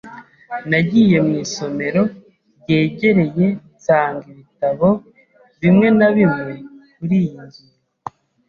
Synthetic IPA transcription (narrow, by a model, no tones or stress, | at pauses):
naɟije̞mŋiːso̞me̞ɾo̞ | bɟe̞ːɟe̞ɾe̞je̞ | taːŋɡiβitaβo̞ | βimŋe̞naβimŋe̞kuɾijinzuɾu